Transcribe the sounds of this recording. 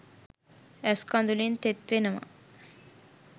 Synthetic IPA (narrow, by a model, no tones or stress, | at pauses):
ɛskɔnd̪ulint̪et̪ʋenəma̰